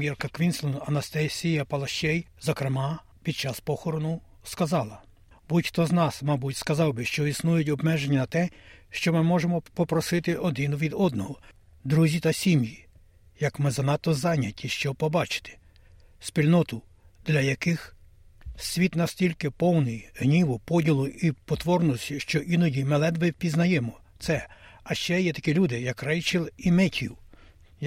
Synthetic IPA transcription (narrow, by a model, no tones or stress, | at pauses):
irkɐkʋʲinslˠɔnɐnɐst̪ɛsʲijɐpɐlˠɐʃt͡ʃɛjzɔkɾemɑ | pʲid̪̚t͡ʃɑspɔxɔɾɔnʊ | skɐzɑlˠɐ | butʲxt̪ɔznɑsmɑbutʲskɐzɑwbɪʃt͡ʃɔisnujʊtʲɔbmɛʒenʲːɐnɐt̪ɛʃt͡ʃɔmɪmɔʒemɔpɔpɾɔsɪt̪ɪʔɔd̪ɪnʊʋʲid̪ɔd̪̚nɔɦɔ | d̪ɾuzʲit̪ɐsʲimji | jɐkmɪzɐnɑt̪ːɔzɑnʲɐtʲːiʃt͡ʃɔpɔbɑt͡ʃɪ̥t̪ɪ̥ | sʲpʲilʲnɔt̪ʊ | d̪lʲɐjɐkɪx | sʲʋʲit̪nɐsʲtʲilʲkɪpɔwnɪjɦnʲiʋɔpɔdʲilˠʊipɔt̪ʋɔrnɔsʲiʃt͡ʃɔʔinɔdʲimelˠɛd̪ʋɪpʲiznɐjɛmɔt̪sɛɐʃt͡ʃɛjɛt̪ɐ̥kilʲud̪ɪjɐkrɛjt͡ʃilˠimɛtʲiw